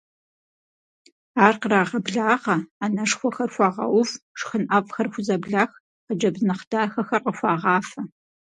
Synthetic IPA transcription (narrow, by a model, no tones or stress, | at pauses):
aːrqəɾaːʁɐbɮaːʁɐanɐʂxʷɔxɐrxʷɑːʁɐ̰wʊfʂxənʔɐvxɐrxʷʊzɐbɮaːx | qəd͡ʒɐbznɐχd̥aːxɐxɐrqəxʷɑːʁɑːfɐ